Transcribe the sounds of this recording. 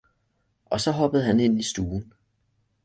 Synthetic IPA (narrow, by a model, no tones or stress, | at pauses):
ʔɒ̽sɒ̽ɦɒ̽b̥əð̩ˠhæne̝n̰isd̥uːn̩